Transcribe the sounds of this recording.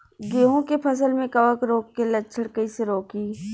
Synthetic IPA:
ɡeːɦõkepʰɐsəlmẽkɐʋəkɾoːkːelət͡ʃʰəɽkəiseɾoːkiː

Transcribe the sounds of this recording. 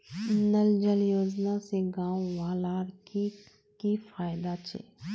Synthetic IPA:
nəld͡ʒəljoːd͡ʒnaseɡãːwʋaːlaːɾki | kifaːjd̪at͡ʃḛː

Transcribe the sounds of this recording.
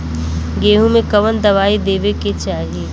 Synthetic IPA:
ɡeːɦũmẽkɐʋənd̪ɐʋaːid̪eːʋeket͡ʃaːɦie

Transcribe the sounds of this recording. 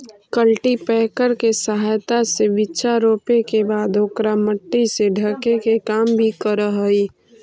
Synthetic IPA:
kəlʈipɛːkəɾkesəɦajt̪aseʋɪtːʃaɾoːpekebaːd̪oːkɾaməʈːiseɖʱəkekekaːmbʱikəɾəɦəiː

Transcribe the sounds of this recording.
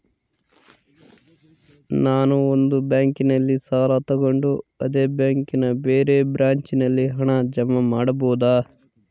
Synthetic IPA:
naːnuond̪ubjaːŋkinɐlːisaːɾat̪ɐɡo̞ɳɖuɐd̪eːbjaːŋkinɐbeːɾeːbɾaːɲt͡ʃinɐlːiɦɐɳɐd͡ʒɐmːɐmaːɽɐboːd̪aː

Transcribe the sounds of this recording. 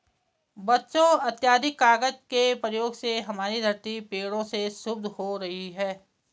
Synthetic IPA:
bɐtːʃõɐt̪jaːd̪ʱɪkːaːɡəd͡ʒkepɾəjoːɡseɦɐmaːɾid̪ʱɐɾt̪ipeːɽõseʃʊbd̪ʱhoɾɐɦiɦɛː

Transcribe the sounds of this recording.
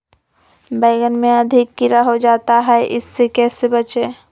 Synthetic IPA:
bəːɡənmẽɐd̪ʱɪkːɪɾaɦod͡ʒaːt̪aɦɛʔɪ̰sːekɛːsebət͡ʃeː

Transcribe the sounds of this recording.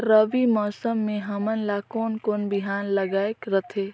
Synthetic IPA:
ɾəʋimɔːsəmːẽɦəmənlakoːnkoːnbiɦaːnləɡaːekɾət̪ʰe

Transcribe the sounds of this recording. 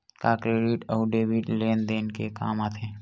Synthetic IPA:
kaːkɾeɖiʈɔːʊɖeːbiʈleːnd̪eːnkeka̰ːmaːt̪ʰeː

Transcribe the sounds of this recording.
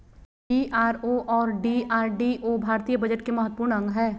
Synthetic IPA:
iaːɾoʔɔːɾɖiaːɾɖiʔoːbʱaːɾt̪ijəbɐd͡ʒəʈkemɐɦət̪̚ːpuːɾnɐ̃ŋɡɦɛː

